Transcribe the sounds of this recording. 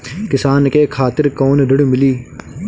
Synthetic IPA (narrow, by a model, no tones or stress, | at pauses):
kɪsaːnkeːkʰaːt̪ɪɾkoːnɖəɽmɪliː